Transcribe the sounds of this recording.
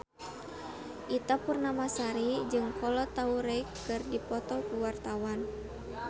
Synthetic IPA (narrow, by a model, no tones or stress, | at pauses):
ʔit̪apurnamasaɾid͡ʒɨŋkɔlɔt̪auɾɛkːɨrdipɔt̪ɔkuwart̪awan